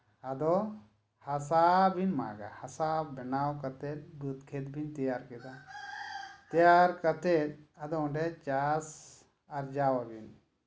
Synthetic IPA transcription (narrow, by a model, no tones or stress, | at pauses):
ad̪ɔ | hasabʱinma̰ɡa̰hasabɛnawkat̪ɛt̪̚bət̪kʰet̪̚bʱint̪ɛjaɾkɛd̪a | t̪ɛjaɾkat̪ɛt̪̚ɐd̪ɔ̃ɳɖɛt͡ʃas | aɾd͡ʒawabin